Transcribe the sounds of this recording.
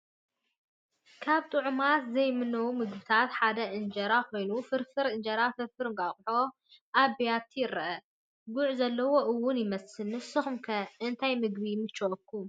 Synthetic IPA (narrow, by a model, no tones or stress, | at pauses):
kʰaβt̪ʼɨʕʊmat̪zɐjmɨnːɐwumɨɡ̚bɨt̪ʰat̪ħad̪ɐʔɨnd͡ʒɐɾakʰo̞jnufɨɾfɨɾɨnd͡ʒɐɾafɨɾfɨɾɨŋɡʼaχʼʊħo | ʔabijat̪ʰjɪɾɐʔɐ | ɡʊʕzɐlːɐwo̞ʔɨwːʊnjɪmɐsɨnɨsɨxɨmkʰɐʔɨnt̪ʰajmɨɡ̚bimɨt͡ʃːokʰːu